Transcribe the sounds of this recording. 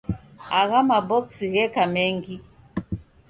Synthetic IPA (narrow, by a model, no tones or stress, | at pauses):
aɣamabɔksiɣɛkamɛŋɡi